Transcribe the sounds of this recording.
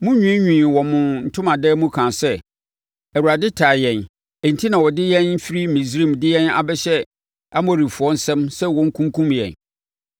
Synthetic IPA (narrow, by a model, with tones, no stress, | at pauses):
mʊ̃˦ɲᶣĩ˦ɲᶣĩː˨wɔ˨mʊ̃˨n̩˨tʰʊ̃˦mã˨dɛː˦mũ˦kʰã˨sɛ˦ | æ˨wu˨ɾa˨dɪ˦tʰa˨jɛ̃˨n | ɛ˨n̩˨tʰi˦nã˨wɔ˨dɪ˦jɛ̃˦n̩˦fi˦ɾi˦mĩ˨sɾi˦˨mdɪ˦jɛ̃˦na̰˨bɛ˦ɕɛ˦ | a˦mɔ̃˨ɾi˨fʊ˨ɔ̃˦n̩˦sɛ̃˦msɛ˦wɔ̃˦ŋ̩˦kʰũ˦ŋ˦kʰũ˦mjɛ̰̃˨n